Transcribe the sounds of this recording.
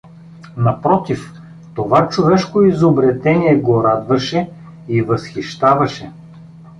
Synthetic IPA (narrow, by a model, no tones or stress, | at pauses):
nɐpɾɔt̪if | t̪ovat͡ʃovɛʃkoizobɾɛt̪ɛniɛɡoɾad̪vɐʃɛ | ivɐsxiʃt̪avɐʃɛ